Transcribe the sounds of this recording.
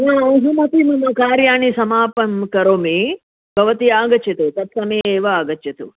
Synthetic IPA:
jaːɐɦɐmɐt̪imɐmɐkaːɾjaːɳisɐmaːpɐmkɐɾoːmi | bʱɐʋɐt̪iaːɡɐt͡ʃjɐt̪ut̪ɐt̪sɐmɐjeːʋɐaːɡɐt͡ʃjɐt̪ṵ

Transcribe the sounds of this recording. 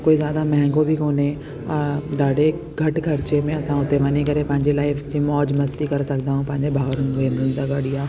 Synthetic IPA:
koːizjaːd̪amɛ̃ɦɛ̃ŋɡobʱikoːne | ɔːɾd̪aːɖe | ɡʱɐʈkʰɐɾt͡ʃemẽɐsãɦʊt̪eʋaːnikɐɾepɐ̃ɦɪ̃ɲd͡ʑelaːɪfd͡ʑiːmɔːd͡ʑmɐst̪ikɐɾsɐkd̪aːɦũpɐ̃ɦɪ̃ɲd͡ʑebʱaːʋɾʊnʋeːnɾʊnɪd͡ʑaɡɐɽijaː

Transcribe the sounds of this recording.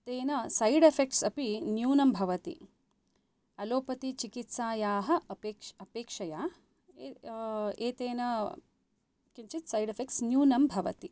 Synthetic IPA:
t̪eːnɐsɐjɽefʰek̚ʈsɐpinjuːnɐmbʱɐʋɐt̪ḭ | ɐloːpɐt̪it͡ʃikit̪saːjaːɦɐ̆pekɐpeːkʂɐjaː | eːt̪eːnɐ | kiɲt͡ʃit̪sɐjɖefʰek̚ʈsnjuːnɐmbʱɐʋɐ̰t̪i

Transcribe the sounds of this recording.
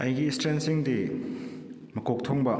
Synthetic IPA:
ɐjɡiːstɾensiŋdi | mɐkok̚t̪ʰoŋbɐ

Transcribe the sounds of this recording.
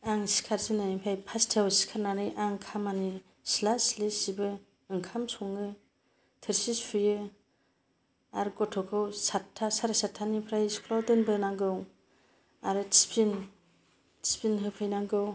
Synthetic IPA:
aŋsi̥kʰaɾsinajimpʰajpʰastʰewsi̥kʰaɾnanɯjʔaŋkʰamani | silaslesibɯ | ɯŋkʰamsuŋɯ | tʰɯɾsispʰɯjɯ | aɾɡɔtʰɔkʰɯwsatʰːasaɾasatʰːanipʰɾajskʰlɔdɯnbɯnaŋɡɯw | aɾɯtspʰin | tspinɦɯpʰɯjnaŋɡɯw

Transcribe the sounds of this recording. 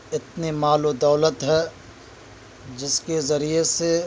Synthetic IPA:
ɪt̪nemaːlod̪ɐːlət̪ɦɛː | d͡ʒɪskezɐɾiese

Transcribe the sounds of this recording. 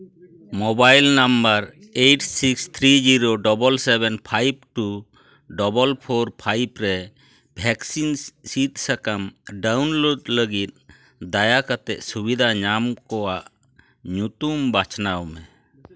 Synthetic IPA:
mɔbajlnambəɾ | ejʈʰsikst̪ʰɾid͡ʒiɾoɖɔbɔlsɛbɛnpʰajb̚ʈu | ɖɔbɔlpʰoɾpʰajbɾɛ | bʱɛksinsit̪̚sakamɖawnloɖləɡit̪̚ | d̪ajakat̪ɛʔsubid̪ʱaɲamkɔwaʔ | ɲut̪umbat͡ʃnawmɛ

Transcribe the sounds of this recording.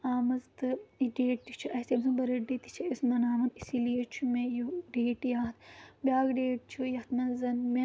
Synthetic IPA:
aːmɐzt̪ɨiɖeːʈ̚t̪it͡ʃʰuʔɐsemsɐnbɐɾɐɖet̪i̥t͡ʃʰɐesnɐnaːmɐnisilijɐt͡ʃʰumejoɖeːʈjaːt̪bʲjaːɡɖeːʈ̚t͡ʃʰujɐt̪ʰnɐzɐnme

